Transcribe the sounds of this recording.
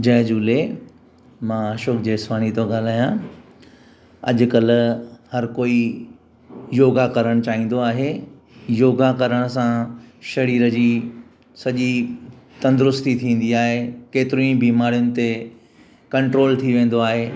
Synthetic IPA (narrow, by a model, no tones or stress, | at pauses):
d͡ʑɐːd͡ʑuːle | mãːɐʃoːkʰd͡ʑeːsʋaːñit̪oɡaːl̤aːjã | ɐ̰ʄʊ̆kɐl̆hɐɾkoːi | joːɡakɐɾəɽ̃t͡ɕaːɦĩːn̆d̪oaːɦe | joːɡakɐɾəɽ̃sãʃɐɾiːɾəd͡ʑiː | sɐʄi | t̪ɐ̃nd̪ʊɾʊst̪it̪ʰĩːn̆d̪iaːɦekeːt̪ɪɾũĩbiːmaːɾijʊnɪ̆t̪e | kɐ̃ɳʈɾoːlt̪ʰiʋẽːn̆d̪oaːɦeː